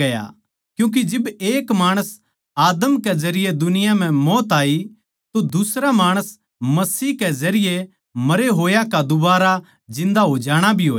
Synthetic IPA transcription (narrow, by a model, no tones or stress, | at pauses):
ɐja̰ | kjũːk̬id͡ʒɪbeːkmaːɽ̃əs | aːd̪əmkezɐɾɪjed̪ʊnɪjam̤ɛ̃mɔːt̪aːi | t̪od̪ʊsɾamaːɽ̃əs | mɐsiːɦkezɐɾɪje | mɐɾeɦoːjakad̪ʊbaːɾa | d͡ʒɪ̃nd̪aɦod͡ʒaːɽ̃abʱiɦoː